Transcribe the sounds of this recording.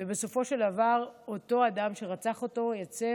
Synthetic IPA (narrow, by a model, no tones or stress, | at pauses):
vebe̞so̞fo̞ʃe̞ld̪avaʁo̞to̞adamʃe̞ʁat͡saχo̞to̞jat͡se